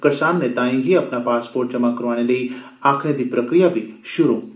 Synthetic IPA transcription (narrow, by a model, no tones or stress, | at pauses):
kəɾʃanːet̪aĩɦiapnapaːspoːɾʈ̚t͡ʃəmakəɾʋañeləi | akʰned̪ipɾəkɾijaʋiʃʊɾu